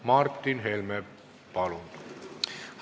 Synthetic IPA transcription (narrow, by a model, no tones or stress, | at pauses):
mɑrt̪ːinɦelme | pɑlunt̪u